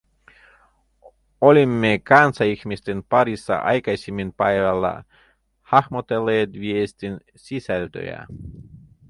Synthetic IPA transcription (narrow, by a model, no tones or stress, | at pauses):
olʲimːekɑnsɑixmist̪enpɑɾisːɑ̰ʔɑ̰jkɑjsʲimːinpɑjʋɑlːɑ̰ | hɑxmot̪elːeːt̪ʋiest̪in | sisælt̪ø̰jæ̰